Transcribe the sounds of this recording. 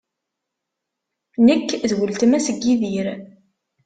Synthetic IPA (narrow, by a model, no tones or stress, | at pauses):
nəkːðwəlt̪əmæsəɡːiðiɾ